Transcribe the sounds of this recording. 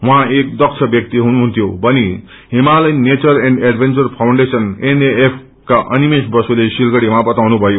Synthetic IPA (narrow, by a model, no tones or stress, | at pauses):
wʌ̃ɦãek̚d̪ʌkt͡sʰʌbjʌk̚t̪iɦunuɦunt̪ʰjobʌni | ɦimalʌjnːet͡sʌreɳɖeɖbʱent͡sʌrpʰawɳɖesʌneneepʰ | kaʔʌnimesbʌsulesilɡʌɽimabʌt̪awnubʱʌjo